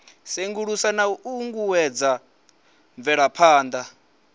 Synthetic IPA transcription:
seŋɡuɺusanauuŋɡuwɛd͡za | ɱvɛɺapʰaːnd̪a

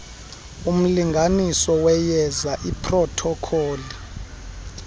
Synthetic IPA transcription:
um̩liŋɡʱanisɔwɛjɛzaʔipʰʼrɔtʰɔkʰɔːli

